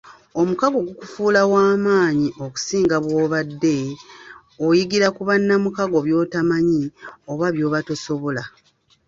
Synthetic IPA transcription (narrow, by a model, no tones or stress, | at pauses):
o̞mukaɡo̞ɡukufuːlawaːmaːɲiʔo̞ku̥siːŋɡaβwoːβadːe̞ | ojiɡiɾakuβanːamukaɡo̞βjo̞ːtamaɲio̞βaβjo̞ːβato̞so̞βo̞la